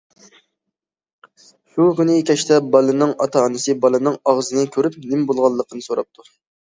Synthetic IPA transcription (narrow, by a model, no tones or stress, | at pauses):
ʃukʲynɪkʲʰɛʃt̪ɛbɑlɨnɨŋɑ̰t̪ʰɑnɨsɨbɑlˠɨnɨŋɑʁzɨnɨkʲʰøɾyp̚nɪmbolˠʁɑlˠːəqʰənɨsoɾɑp̚t̪ʰu